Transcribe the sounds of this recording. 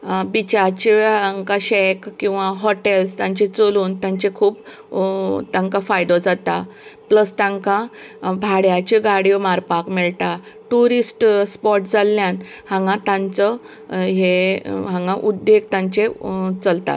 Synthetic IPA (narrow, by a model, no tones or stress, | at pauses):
bit͡ɕat͡ɕeaŋkaɕɛkkːĩw̃ʋaɦɔʈelst̪ãɲt͡ɕet͡soluːnt̪jãɲt͡ɕekʰuːp | t̪ãŋkafajd̪od͡zat̪apləst̪ãŋkãbʱaɽjat͡ɕeɡaɽiomaɾpakmɛɭt̪a | ʈuɾisʈspɔɾʈd͡zalːjan | hãŋɡãt̪ãnt͡sɔ | ɦeɦãŋɡãʔud̪ːeɡ̚t̪ãɲt͡ɕet͡səlt̪a̰t̪